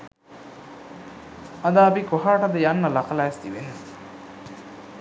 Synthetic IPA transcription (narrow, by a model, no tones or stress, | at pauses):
ɐd̪aːbikoɦaːʈɐd̪əjanːɐlɐkɐlaest̪ḭʋenu